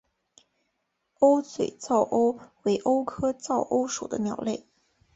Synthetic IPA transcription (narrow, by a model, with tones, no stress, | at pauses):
o˥ʊt͡swe˨˩ɪt͡sɑ˥˩ʊʔo˥ʊwe˧˥ɪʔo˥ʊkʰɤ˥t͡sɑ˥˩ʊʔo˥ʊʂu˨˩d̪ə̰˦njɑ˨˩ʊle˥˩ɪ